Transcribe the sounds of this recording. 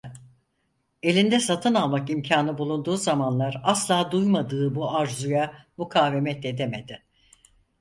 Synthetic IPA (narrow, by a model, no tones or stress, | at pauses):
e̞lʲind̪ɛsat̪ʰɯnalˠmakimcʰaːnɯbulˠund̪uːzamanlˠaɾaslˠaːd̪ujmad̪ɯːbuaɾzujamukʰaːve̞mɛt̪e̞d̪e̞med̪ɪ